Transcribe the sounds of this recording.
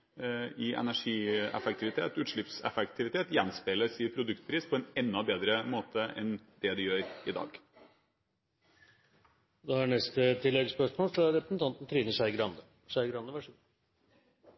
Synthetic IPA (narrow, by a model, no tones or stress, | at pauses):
ɪʔɛ̰næʂiːɛ̰fɛk̚t̪ʰɪʋɪt̪ʰḛːt̪ʉːt̪ʂɭɪpsɛ̰fɛkt̪ʰɪʋɪt̪ʰeːt̪jɛnspeləsiːpʰɾʊd̪ʉkt̪̚pʰɾiːspʰɔɛnɛnːɔbeːd̪ɾəmoːt̪ʰəʔɛ̰nd̪ɛd̪ɪjøːɾɪd̪ɑ̰ːɡ | d̪ɛhɑɳɛst̪ət̪ʰɪlːɛɡspœʂmoːlfɾɑɾɛpɾəsn̩t̪ɑnt̪n̩t̪ʰɾiːnəsæɪɡɾɑnd̪ə | sæɪɡɾɑnd̪əʋɑʂ